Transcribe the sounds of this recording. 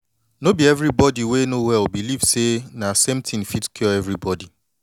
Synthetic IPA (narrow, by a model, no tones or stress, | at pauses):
nobiɛvɾibɔdiwenowɛlbilivsenasem̩tʰĩn̩fitkʰjɔɛvɾibɔdi